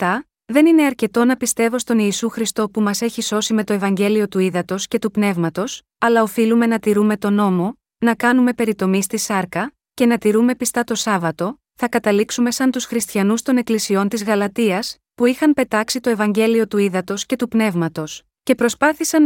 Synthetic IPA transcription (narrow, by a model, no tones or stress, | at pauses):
t̪ɐ | ðe̞nine̞ɐɾce̞t̪o̞nɐpist̪e̞vo̞st̪o̞niːsuxɾist̪o̞pumɐse̞çiso̞sime̞t̪o̞e̞vɐɲɟe̞lio̞t̪uiðɐt̪o̞sce̞t̪upne̞vmɐt̪o̞s | ɐlɐo̞filume̞nɐt̪iɾume̞t̪o̞no̞mo̞ | nɐkɐnume̞pe̞ɾit̪o̞mist̪isɐɾkɐ | ce̞nɐt̪iɾume̞pist̪ɐt̪o̞sɐvɐt̪o̞ | θɐkɐt̪ɐliksume̞sɐnt̪usxɾist̪çɐnust̪o̞ne̞klisio̞nt̪izɣɐlɐt̪iɐs | puixɐmpe̞t̪ɐksit̪o̞e̞vɐɲɟe̞lio̞t̪uiðɐt̪o̞sce̞t̪upne̞vmɐt̪o̞s | ce̞pɾo̞spɐθisɐn